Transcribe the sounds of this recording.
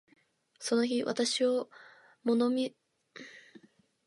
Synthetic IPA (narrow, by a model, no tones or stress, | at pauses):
so̞no̞çiβa̰t̪aɕio̞ | mo̞no̞mʲi